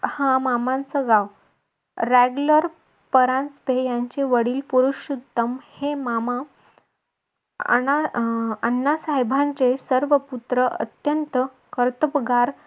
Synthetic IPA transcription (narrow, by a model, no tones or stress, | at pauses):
hãmamãnt͡səɡaʋ | ɾæɡuləɾ | pəɾãnspejaɲt͡ɕeʋəɽiːlpuɾuɕud̪əmhemama | ə̰naə̰nːasaɦebʱãɲt͡ɕesəɾʋəput̪ɾəʔə̰t̪jənt̪ə | kəɾt̪əpɡaɾ